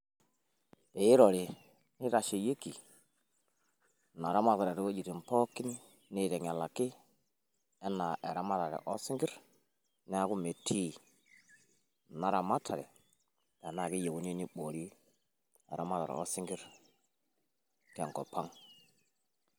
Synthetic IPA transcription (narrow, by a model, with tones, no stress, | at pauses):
e˨i˦ɾɔ˨ɾi˨ | ni˦ɾa˨ʃe˨je˦ki˨ | na˨ɾa˦ma˦ta˨ɾe˨ɾi˦wo˦d͡ʒi˨ti˨m˨po˦kːi˦n˦ | ni˦ɾe˨ŋa˨la˨ki˦ | ɛ˦nːa˨ʔe˨ɾa˦ma˦ta˨ɾɛ̰˨ʔɔ˦sɪ˦ŋɡi˦ɾ | nɛ˦a˦ku˦me˨tʰːi˦ | na˨ɾa˨ma˦tʰa˨ɾɛ̰˨ | ta˨na˨ki˦je˨ku˨˦ni˦ni˦ɓo˨ɾi˦ | ḛ˨ɾa˦ma˦ta̰˨ɾɛ̰˨o̰˦si˦ŋɡi˦ɾ | tɛ˨ŋkɔ̰˨pa˦ŋ